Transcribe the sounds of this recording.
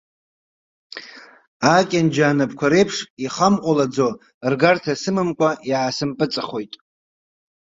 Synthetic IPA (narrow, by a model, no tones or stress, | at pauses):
akʲʼand͡ʒaːnɨpʰkʷʰaɾe̞jpʰʂiχamʔʷʼalad͡zo | rɡartʰasɨmɨmkʷʼaiʕasɨmpʼɨt͡sʼaχo̞jtʼ